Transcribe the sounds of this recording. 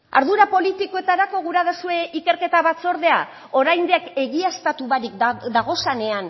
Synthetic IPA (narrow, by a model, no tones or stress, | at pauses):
a̰ɾðuɾapo̞lit̪iko̞e̞t̪aɾako̞ɣ̞uɾaðasue̞ʔike̞ɾke̞t̪aβat͡so̞ɾðe̞a | o̞ɾajnd̪eake̞ɣiast̪at̪uβaɾikd̪aɣ̞o̞sane̞an